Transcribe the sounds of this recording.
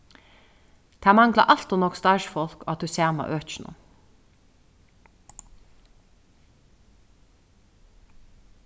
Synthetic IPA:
d̪̥ʰæːmɑŋɡlɑ̰ʔɑlt̪ʊnɔkst̪ɑːʃfɔlkoːɑt̪ʰʉseːʁmɑ̰ʔøːn̩ʊ̰

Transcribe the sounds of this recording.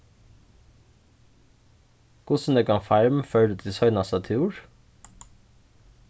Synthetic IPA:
kʰʊsn̩d̪eːɡɑŋfæɹmfœʏɖət̪ʰɪsœʏnɑsɑt̪ʰɪuːɹ

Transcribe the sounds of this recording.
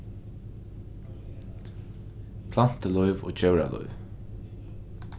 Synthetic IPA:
pʰlan̥t̪əlɔʏvɔ̰ːt͡ɕœwɹa̰lɔ̰ʏv

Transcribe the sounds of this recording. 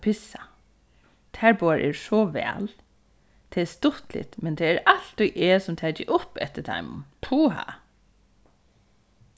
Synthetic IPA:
pʰɪsa | t̪ʰæɹboaɹʔɛ̰ɹsɔʋɛ̰ːl | t̪ʰeːɛst̪ʊht̪lɪ̰t̪mɛnt̪ʰeːɛɹalt̪ujʔeːsɔmt̪ʰæːcɪʔʊpːɛ̰t̪ət̪ʰa̰ɪmʊ̰npʰuːɦa̰

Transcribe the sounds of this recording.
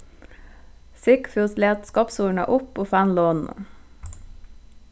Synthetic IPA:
sɪkfʉːsleːt̪skɔpsuːɳɑ̰ʔʊpoːfænloːnn̩

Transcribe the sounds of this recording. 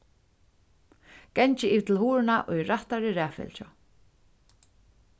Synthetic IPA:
kɛɲt͡ʃɪiːvt̪ʰɪlhuːɾɪnaʔʊjɾaht̪aɾɪɾæːfɛ̰lt͡ʃɔ̰

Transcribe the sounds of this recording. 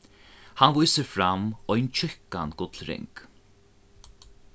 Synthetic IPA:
hanvujsəɾfɾamɔjnt͡ʃʰʏhka̰nɡʊt̪lɾɪ̰ŋk

